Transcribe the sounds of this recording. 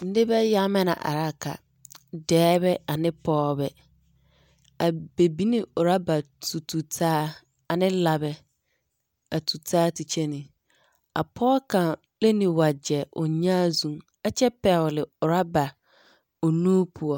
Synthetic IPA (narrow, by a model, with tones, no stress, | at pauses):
n̩˦dɪ˦bɛ˦ja˦mɛ̃˦nã̰˨ʔa̰˨ɾa˦˨kʰa̰˨ | dɛː˦bɛ˦a˨nɪ̃˦pʰɔː˦bɛ˨ | a˨be˨bi˦nĩ˦˨ʊ˨ɾa˦ba˨tʰu˨tʰu˨tʰaː˦ | a˨nɪ̃˦la˨bɛ˨ | a˨tʰu˨tʰaː˦ti˨t͡ɕʰɛ˦nɪ̃˨ | a̰˨pʰɔː˦kʰã˨ | lɛ˦nĩ˨wa˨d͡ʑɛ˨ʔʊ̰˨ɲã˦zũ˦m | a˨t͡ɕʰɛ˦pɛ˨wlɪ˨ʊ˨ɾa˦ba˨ | o˨nũ˦pʰu˨ɔ˨